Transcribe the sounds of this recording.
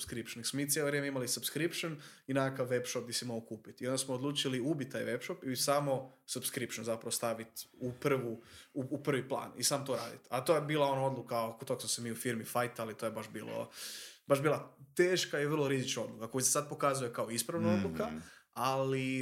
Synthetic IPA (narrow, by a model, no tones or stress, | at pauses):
skɾipʃoneksmomit̪jeloʋɾʲjemeimalisubskɾipʃon | inaakaʋːepʃop̚d̪isimoɡokuːpit̪io̞nd̪asmoːd̪lˠuːt͡ʃiliubit̪̚t̪ːaːjʋe̞pʃopisaːmo̞subskɾipʃonzapɾaʋost̪aʋit̪upr̩ʋuːpr̩ʋiplˠa̰ːnḭsaːmot̪oɾa̰ːd̪ḭt̪at̪ojebiːlˠao̞nao̞d̪lukakot̪oksmosemiːufiɾmifajt̪alit̪ojebaʒbḭːlo̰baʒbiːlˠat̪eːʃkaiʋər̩lˠoɾizit͡ʃnao̞d̪lukakojisesad̪̚po̞kazuje̞kaoispɾaʋnao̞d̪lukaali